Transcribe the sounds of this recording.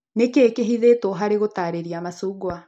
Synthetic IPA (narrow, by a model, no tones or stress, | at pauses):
nekeːkeɦiðetwɔɦaɾeɣotaːɾeɾiamasuːɡwa